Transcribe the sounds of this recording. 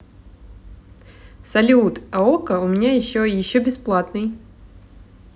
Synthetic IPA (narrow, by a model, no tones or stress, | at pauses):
sɐlʲut̪ɐokəʊmʲɪnʲajɪɕːoijɪɕːobʲɪsplˠat̪nɨj